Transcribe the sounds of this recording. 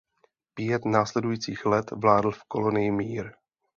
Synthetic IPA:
pɪjɛt̪naːslɛdujiːt͡siːxlɛt̪vlaːdl̩fko̞lo̞nɪjɪmiːɾ

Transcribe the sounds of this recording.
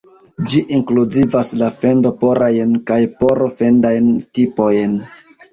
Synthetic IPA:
d͡ʒiʔiŋkluzivaslafe̞ndo̞po̞ɾʔajnkajpoɾofe̞ndajntipo̞jn

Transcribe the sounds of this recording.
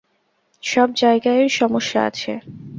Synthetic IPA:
ʃɔb̚d͡ʑaeɡaeɾʃɔmoʃːaa̰t͡ɕʰḛ

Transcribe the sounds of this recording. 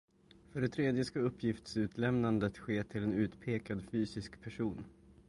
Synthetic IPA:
fœɖɛt̪ʰɾeːd̪jəskaɵpʰːjɪft̪sʉ̟ːt̪lɛmnand̪ət̪ɧeːt̪ʰɪlɛnʉ̟ːt̪pʰeːkad̪fyːsɪskpʰæʂuːn

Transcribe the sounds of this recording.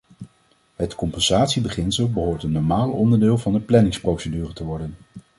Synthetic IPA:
ɦətkɔmpɛnz̥aːtsibəχɪnsəlˠbəɦoːɹtənːɔɹmaːlɔndəɹdɪːlˠvɑndəplɛnɪŋsprowsedyːrətəʋɔɹdən

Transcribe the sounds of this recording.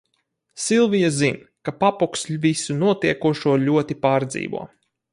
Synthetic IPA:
silˠvijazinkapapukslʲvisunuɔt̪iɛkuʃuɔlʲuɔt̪ipaːɾd̪zḭːvṵɔ

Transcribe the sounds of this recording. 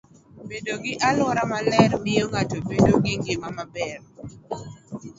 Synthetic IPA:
bedoɡɪʔalwɔɾamalɛrmɪoŋatobedoɡɪŋɡɪmamabɛr

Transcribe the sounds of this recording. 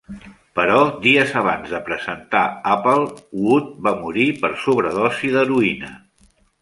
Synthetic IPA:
pəɾɔd̪iəzəβ̞anzðəpɾəzənt̪a̰apəlˠwut̪̚bamuɾipəɾsuβɾəðɔsiðəɾuinə

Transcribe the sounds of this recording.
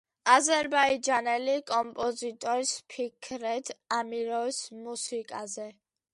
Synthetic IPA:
azɛɾbaid͡ʒanɛlikʼɔmpʼɔzit̪ʼɔɾspʰikʰɾɛd̪amiɾɔismusikʼazɛ

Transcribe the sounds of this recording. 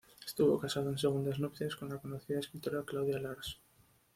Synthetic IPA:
est̪uβo̰kasaðoens̬eɣ̞und̪aznopt̪eskõ̞nlakonoθiðaeskɾit̪oɾaklawðjalaɾs

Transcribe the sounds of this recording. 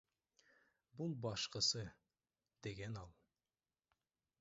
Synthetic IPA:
bulˠbɑʃqɤ̆sɤ | d̪̥eɡænɑlˠ

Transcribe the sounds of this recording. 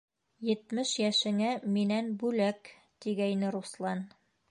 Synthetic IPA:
jɘ̆t̪mɘʃjæʃɘ̆ŋæminænbʉlæk | t̪iɡæinɘɾuslˠɑn

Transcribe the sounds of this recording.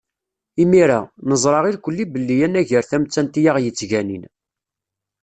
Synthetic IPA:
imiɾanəzˤɾˤɑʁilkʷəlːibəlːijænæʝəɾθæmt͡sːænt̪ijaʁjət͡sːʝænin

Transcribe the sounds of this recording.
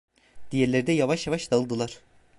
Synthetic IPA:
d̪̥ijeɾlʲeɾd̪ɛjavaʃjavaʃd̪aɯlˠd̪ɯlˠaɾ̥

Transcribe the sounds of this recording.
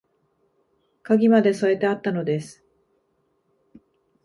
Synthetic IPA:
kaɡʲimad̪e̞so̞e̞t̪e̞at̪ːano̞d̪e̞sɨ̥

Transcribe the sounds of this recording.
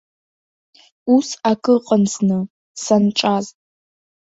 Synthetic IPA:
usakʼɨqʼənsnɨ | sanʈ͡ʂʼaz

